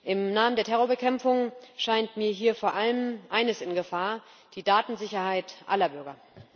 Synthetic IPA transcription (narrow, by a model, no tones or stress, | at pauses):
ʔɪmnaːməndeːɐtʰɛʁoːɐbəkʰɛmfʊŋʃaɪntmiːɐɦiːɐfoːɐʔaləmʔaɪnəsɪnɡəfaːɐ | d̥iːdaːtn̩zɪçɐhaɪtʔa̰lɐbʏɐɡɐ